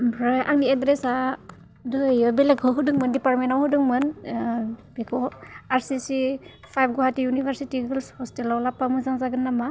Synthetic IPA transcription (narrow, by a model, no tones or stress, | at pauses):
bʱɾajʔaŋniedɾesa | dojɔbelekʰɔɦudɯŋmɯndipaɾmentawhɯdɯŋmɯn | bekʰɔaɾsisi | pʰajb̚ɡohatijunibʱaɾsitiɡɯlshɔstelawlapamuzaŋzaɡɯnːama